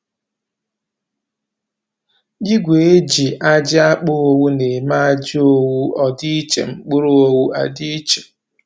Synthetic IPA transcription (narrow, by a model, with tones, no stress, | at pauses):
ɡɪ˦ɡʷe˨e˦d͡ʒi˨ʔa˦d͡ʒɪ˦a˦k͡pʊ˦o˦wu˦ne˨ma˦a˦d͡ʒɪ˦o˦wu˦ɔ˦di˦i˦t͡ʃḛ˨ŋ͡m̩˨k͡pʊ˦ɾo˦o˦wu˦a̰˦di˦i˦t͡ʃe̥˨